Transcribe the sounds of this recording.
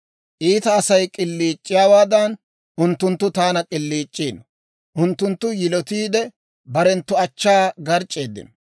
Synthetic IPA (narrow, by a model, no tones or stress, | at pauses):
ʔiːt̪ɐːsɐjkʼɪlːiːt͡ʃʼːɪjaːwaːd̪ɐn | ʊnt̪ːʊnt̪ːʊt̪aːnɐkʼɪlːiːt͡ʃʼːiːnɔ | ʔʊnt̪ːʊnt̪ːʊjɪlɔt̪iːd̪ɛ | bɐɾɛnt̪ːʊɐt͡ʃːaːɡɐɾt͡ʃʼːeːd̪ːɪ̰nɔ